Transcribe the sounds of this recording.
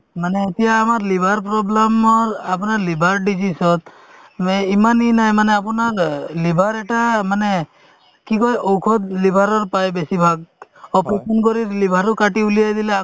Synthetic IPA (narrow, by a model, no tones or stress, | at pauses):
maneet̪ijaːmaɾlibʱaɾpɾɔblamːɔapɔnaɾlibʱaɾɖid͡ʒisɔt̪ | meimaninajmaneap̬ɔnaɾlibʱaɾeʈamane | kikɔjʔɔwkʰɔd̪libʱaɾɔɾpajbesibʱaɡɔpɔpɔnkɔɾiɾlibʱaɾukaʈiulijajd̪ilea